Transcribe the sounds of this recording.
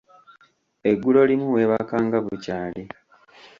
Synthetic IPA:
eɡːulo̞limuwe̞ːβakaːŋɡaβucaːle

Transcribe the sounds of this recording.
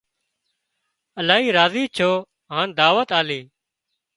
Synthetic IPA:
əlaːɦiːɾaːziːt͡ʃʰoː | ɦãːnd̪aːʋət̪aːliː

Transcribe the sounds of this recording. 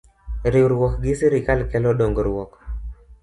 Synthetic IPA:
ɾɪɾwɔkɡɪsiɾɪkalkɛlɔɗoŋɡɔɾwɔk

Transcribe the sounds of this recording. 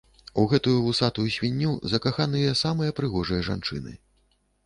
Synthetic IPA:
uɣɛt̪ujuusat̪ujusʲvʲinʲːuzɐkaxanɨjɐsamɨjɐpɾɨɣɔʐɐjɐʐa̰nt͡ʂɨnɨ̰

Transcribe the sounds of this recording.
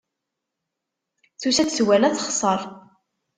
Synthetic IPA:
θusæt͡swælæθəχsˤɑɾˤ

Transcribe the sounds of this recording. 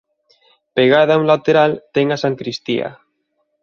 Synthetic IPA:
peɣ̞aðaulat̪eɾalt̪eŋasaŋkɾist̪ia̰

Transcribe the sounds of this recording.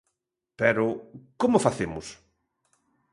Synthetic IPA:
pɛɾʊkomʊfaθemʊs

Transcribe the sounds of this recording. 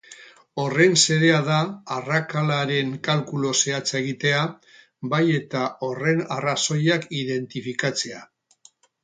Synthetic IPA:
o̞re̞nse̞ðe̞aðaːrakalaɾe̞ŋkalkulo̞se̞at͡se̞ɣ̞it̪e̞a | baje̞t̪ao̞re̞naraso̞jakiðe̞nt̪ifikat͡se̞a

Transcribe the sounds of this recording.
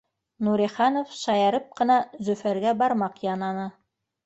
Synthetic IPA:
nuɾiχɑnofʃɑjɑɾɤp̚qɤ̆nɑzɵ̆fæɾɡæbɑɾmɑqjɑnɑnɤ

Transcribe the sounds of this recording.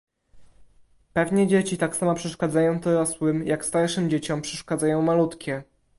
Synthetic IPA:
pɛvɲɛd͡ʑet͡ɕit̪aksamapʂɛʂkad̪zajɔ̃w̃t̪ɔɾɔswɘmjʔakst̪aɾʂɘmd͡ʑet͡ɕɔmpʂɛʂkad̪zajɔ̃w̃malut̪kʲɛ

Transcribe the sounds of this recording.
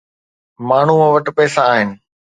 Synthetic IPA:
maːɳ̤umãʋɐʈpɛːsaːɦɪnɪ̆

